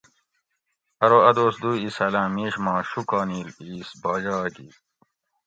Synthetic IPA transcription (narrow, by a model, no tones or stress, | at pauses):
ɐɾoɐd̪oːsd̪uːisɐlãːmeːɕmɑ̃ːɕukɑːniːliːsbɑːd͡ʑɑːɡḭ